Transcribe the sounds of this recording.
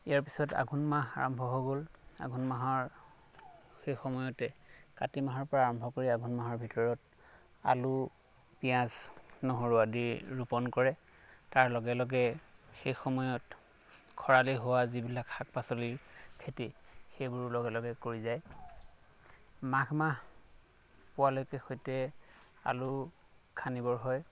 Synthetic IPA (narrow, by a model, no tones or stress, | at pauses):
ijaɹpisɔta̰ɡʱunmaɦa̰ɹɔ̰mbʱɔɦoɡol | a̰ɡʱunmaɦɔɹ | xejxɔmɔjɔtɛ | katimaɦɔɹpɔɹaːɹɔmbʱɔkoɹiaɡʱunmaɦɔɹbʱitɔɹɔt | a̰lu | pijãz | nɔɦoɹuadiɹupɔnkɔɹɛ | taɹlɔɡɛlɔɡɛ | xejxɔmɔjɔt | kʰɔɹaliɦowazibilakxak̚pasoliɹkʰeti | xejbʊɹlɔɡɛlɔɡɛkoɹizaj | makmaɦ | pʊwalojkɛxojtɛ | a̰lu | kʰanibɔɹɦɔj